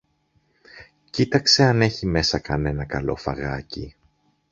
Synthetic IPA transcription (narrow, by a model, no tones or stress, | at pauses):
cit̪ɐkse̞ɐne̞çime̞sɐkɐne̞nɐkɐlo̞̰fɐ̰ɣɐci